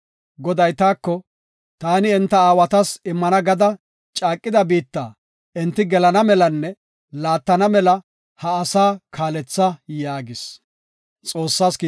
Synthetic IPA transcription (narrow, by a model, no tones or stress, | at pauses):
ɡɔd̪ɐjt̪aːkːɔ | t̪aːnɪɛnt̪ːɐaːwɐt̪ɐsɪmːɐnɐɡɐd̪ɐ | t͡ʃʼaːkʼːɪd̪ɐbiːt̪ːa̰ː | ɛnt̪ːɪɡɛlɐnɐmɛlɐnːɛ | laːt̪ːɐnɐmɛlɐ | hɐːsaːkʰaːlɛt͡sːɐjaːɡɪs | t͡sʼo̞ːsːaːskː